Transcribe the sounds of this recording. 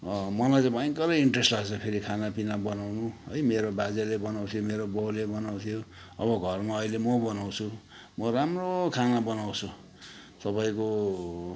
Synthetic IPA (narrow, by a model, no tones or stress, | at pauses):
mʌlajt͡sʌ̃bajkʌlʌiɳʈresʈlaɡt͡sʰʌpʰeɾikʰanapinabʌnawnuɦʌjmeɾobad͡zelebʌnaw̃t̪ʰijomeɾobowlebʌnaw̃t̪ʰijo | ʌbʌɡʱʌrmaʌilemʌbʌnaw̃t͡sʰu | mʌramrokʰanabʌnawt͡sʰu | sʌbʌjko